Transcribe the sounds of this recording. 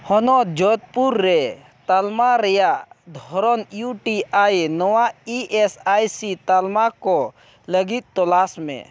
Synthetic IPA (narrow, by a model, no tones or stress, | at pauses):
hɔnɔd͡ʒɔt̪̚puɾːɛ | t̪almaɾɛjaʔd̪ʱɔɾɔnjuʈiajnɔwaiʔɛsajsit̪almakɔ | ləɡit̪̚t̪ɔlasmɛ̰̃